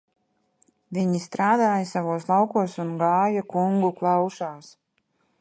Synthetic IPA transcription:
viɲist̪ɾaːd̪aːjasavuɔslˠawkuɔsunɡaːjakuŋɡuklˠɑwʃaːs

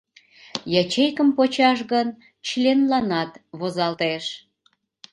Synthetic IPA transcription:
jɑt͡ɕejkəmpot͡ɕɑʃɣən | t͡ɕlʲenlɑnɑt̪βozɑlt̪eʃ

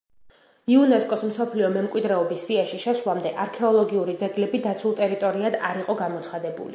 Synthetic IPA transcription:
iunɛskʼɔsmsɔpʰliɔmɛmkʼwid̪ɾɛɔbisːiaʃiʃɛsvlˠamd̪ɛʔaɾkʰɛɔlˠɔɡiuɾid̪zɛɡlɛbid̪at̪sʰulˠt̪ʼɛɾit̪ʼɔɾiad̪aɾiqʼɔɡamɔt̪sʰχad̪ɛbṵlḭ

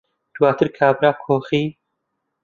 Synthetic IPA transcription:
d̪̥waːt̪ʰɨɾkʰaːbɾaːkʰoːxiː

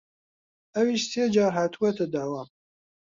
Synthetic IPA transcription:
ɛwiːʃseːd͡ʒɑːɾɦat̪ʰuwɛt̪ɨd̪awɑːm

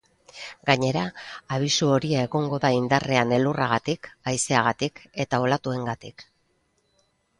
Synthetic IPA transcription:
ɡaɲe̞ɾaːβ̞isuo̞ɾiae̞ɣo̞ŋɡo̞ðaind̪are̞ane̞luraɣat̪ikajse̞aɣ̞at̪ike̞t̪ao̞lat̪ue̞ŋɡat̪ik

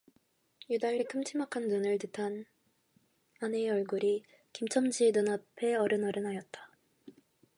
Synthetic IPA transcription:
judaɭːikʰɯmt͡ɕʰimakʰanːunɯɭtɯtʰan | ane̞ʌɭɡuɾi | kimt͡ɕʰʌmd͡ʑinɯnapʰe̞ʌɾɯnʌɾɯnɦajʌt̚t͈ḁ

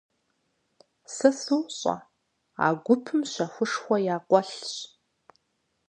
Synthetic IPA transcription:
sɐsɨwɕʼɐ̰ | a̰ːɡʷʊpʰɨmɕɐxʷʊʂxʷɔjaːqʷɔɬɕ

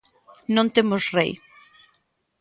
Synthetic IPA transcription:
nõnt̪emʊsrej

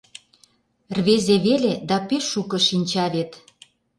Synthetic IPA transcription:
rβezeβeled̪ɑpeʃukɤ̆ʃinʲt͡ɕɑβet̪

